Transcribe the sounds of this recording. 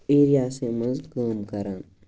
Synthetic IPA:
eːɾijaːseməzd̪kaːmkɐɾãːn

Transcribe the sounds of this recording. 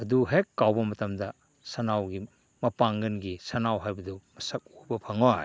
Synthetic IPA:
ɐduɦekːawbɐmɐtɐmdɐ | sɐnawɡi | mɐpaŋɡɐnɡisɐnawɦajbɐdumɐsɐk̚obɐpʰɐŋo

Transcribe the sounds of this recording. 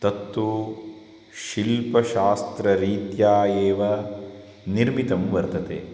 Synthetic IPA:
t̪ɐt̪ːʋu | ʃilpɐʃaːst̪ɾɐɾiːt̪jaːeːʋɐ | niɾmit̪ɐmʋɐɾt̪ɐt̪ḛ

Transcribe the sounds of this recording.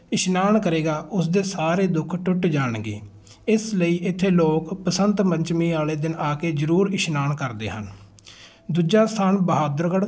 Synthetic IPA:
ɪʃnaːɳkəɾeːɡaːʔʊsd̪eːsaːɾeːd̪ʊkʰʈʊʈd͡ʒaːɽɡḛː | ɪsləiːʔɪt̪ʰːeːloːkpəsənt̪məɲt͡ʃmiːaːleːd̪ɪnaːkeːzəɾuːɾɪʃnaːɳkəɾd̪ḛːɦə̰n | d̪uːd͡ʒaːst̪ʰaːnbəɦaːd̪ɾɡəɽ

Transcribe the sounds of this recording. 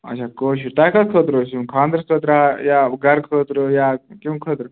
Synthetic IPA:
ɐ̰t͡ʃʰakoːɕut̪ajkɐskʰəːt̪ɾosĩkʰãːnd̪ɾəsət̪ɾajaɡɐɾkʰəːt̪ɾojakiʋ̃kʰəːt̪ɾə

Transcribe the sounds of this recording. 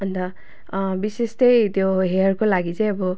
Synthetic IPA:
ʌnt̪ʌ | bisest̪ʌjt̪joɦeʌrkolaɡit͡saĩʌbʌ

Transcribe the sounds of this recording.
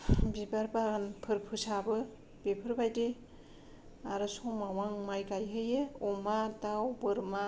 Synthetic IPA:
bibaɾbaɡɯnpʰɯɾpʰɯsabɯ | bepʰɯɾbajdi | aɾɯsɔmawaŋmajɡajɦɯjeɔmatawbɯɾma

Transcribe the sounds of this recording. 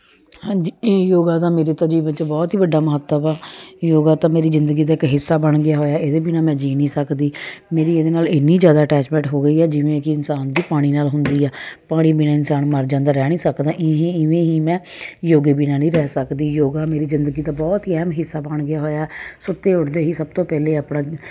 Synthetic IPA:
hãːd͡ʒiːjoːɡaːt̪ãːmeːɾeːt̪əd͡ʒiːbə̃t͡ʃbɔːt̪ɦiːbəɖːaːməɦət̪ːəbaːjoːɡaːt̪ãːmeːɾiːzɪnd̪əɡiːd̪aːɪkɦɪsːaːbəɳɡɪjaːɦoːjaːeːd̪eːbiːnaːmɛ̃ːd͡ʒiːniːsəkd̪iːmeːɾiːeːd̪eːnaːlɪnːiːzjaːd̪aːəʈɛːt͡ʃmɛ̃ːʈɦoːɡəiːɛːd͡ʒɪʋẽːkɪɪnsaːnd̪iːpaːɽ̃iːnaːlɦʊnd̪iːɛːpaːɽ̃iːbiːnaːɪnsaːnməɾd͡ʒãːnd̪aːɾɛːɽ̃ĩːsəkd̪ãːʔɪɦẽɪʋẽːɦiːmɛ̃ː | joːɡeːbiːnãːnĩːɾɛːsəkd̪iːjoːɡaːmeːɾiːzɪnd̪əɡiːt̪aːbɔːt̪iːɛːmɦɪsːaːbəɳɡɪjaːɦoːjaːɛsʊt̪ːeːʊɽd̪eːɦiːsəb̚t̪oːpɛːleːaːpɽãː

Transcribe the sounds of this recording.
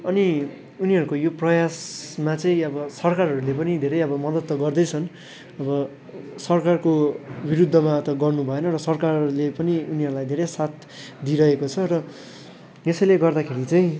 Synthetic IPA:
ʌni | uniɦʌɾukojoprʌjasmat͡sʌĩʌbʌsʌrkarɦʌɾulepʌnid̪ʱeɾʌjʌbʌmʌd̪ʌt̪ːʌɡʌrd̪ʌjt͡sʰʌn | ʌbʌ | sʌrkarkobiɾud̪ʱːʌmat̪ʌɡʌrnubʱʌenʌrʌsʌrkarrlepʌniuniɦʌɾulajd̪ʱeɾʌjsat̪ | d̪iɾʌɦekot͡sʰʌɾʌ | esʌjleɡʌrd̪akʰeɾit͡sʌĩ

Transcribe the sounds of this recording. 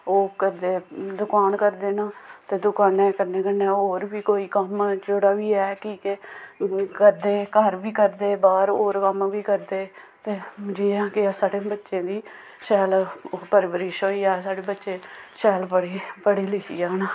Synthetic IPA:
oːkəd̪eːd̪ʊkaːnkəɾd̪eːnaːt̪eːd̪ʊkaːnɛːkəɾnẽːkənẽːoːɾʋiːkoːiːkəmd͡ʒoɽaːʋiːɛːkiːke | kəd̪eːkəɾʋiːkəɾd̪eːbaːɾoːɾkəmʋiːkəɾd̪eː | t̪eːd͡ʒiːãːkɪaːsaːɽeːbətːʃẽːd̪iː | ʃɛːlpəɾɪbəɾɪʃɦoːiːaːsaːɽeːbətːʃẽːʃɛːlpəɽiːpəɽiːlɪkiːaːnaː

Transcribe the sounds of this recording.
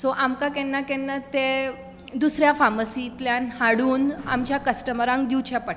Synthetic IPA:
sɔʔamkakɛnːakɛnːat̪e | d̪usɾjafaməsit̪ljanhaɽuːna̰mt͡ɕjakəsʈəməɾãŋ̚d̪iwt͡ɕapəʈ

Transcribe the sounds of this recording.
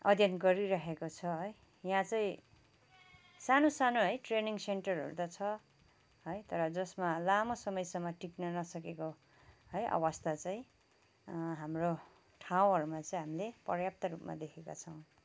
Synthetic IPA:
ʌ̰d̪ʱjʌnɡʌɾiɾʌɦekot͡sʰʌɦʌj | jãt͡saĩ | sanosanoɦʌjʈreniŋseɳʈʌrɦʌ̰ɾud̪at͡sʰʌ | ɦʌjt̪ʌɾʌd͡zʌsmalamosʌmʌjsʌmːʌʈiknʌnʌsʌkeko | ɦʌjʔa̰wast̪ʰat͡saĩ | ɦamro | ʈʰaw̃ɦʌɾumat͡sʌĩɦamilepʌrjap̚t̪ʌɾupma̰d̪ekʰeka̰t͡sʰʌw̃

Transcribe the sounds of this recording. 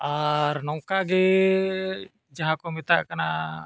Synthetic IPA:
aɾnɔŋkaɡɛ | d͡ʒaɦãkɔmit̪aʔkana

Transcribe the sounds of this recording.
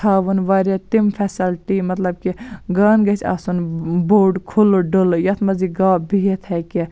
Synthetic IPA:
aːʋunʋɐɾet̪imfʰɛsɐlʈimɐt̪lɐb̚kiɡaːnɡɐt͡ʃʲɐ̰ːsunboːɖkʰuloɖoljɐt̪ʰmɐziɡaːbijet̪ʰhɛke

